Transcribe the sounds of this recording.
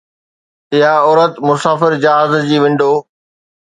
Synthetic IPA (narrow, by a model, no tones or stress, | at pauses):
ɪɦaɔːɾət̪mʊsaːfɪɾd͡ʑaːɦaːzd͡ʑiːʋɪ̃ɳɖoː